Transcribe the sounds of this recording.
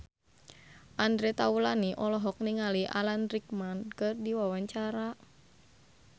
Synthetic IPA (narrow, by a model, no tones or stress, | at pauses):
ʔandɾɛt̪aulaniʔɔlɔɦɔk̚niŋaliʔa̰lanɾik̚mankɨrdiwawaɲt͡ʃaɾa